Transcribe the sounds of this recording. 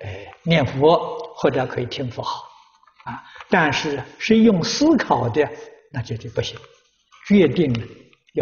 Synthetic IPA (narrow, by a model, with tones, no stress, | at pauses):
e˧˩njɛ˥˩nfu˧˥xwɔ˥˩ʈ͡ʂə˧kʰɤ˧˥i˨˩t̪ʰi˥ŋfɔ˧˥xɑ˨˩˦ʊ | a˧˩t̪a˥˧nʂɻ̩˥˧ʂɻ̩˥˧jʊ˥˩ŋsɹ̩˥kʰɑ˨˩ʊd̪ə˦ | na˥˩t͡ɕjo˥˧ʊt͡ɕpu˥˩ɕi˨˩˦ | t͡ɕɥɛ˥˧t̪i˥˩ŋ˩ | j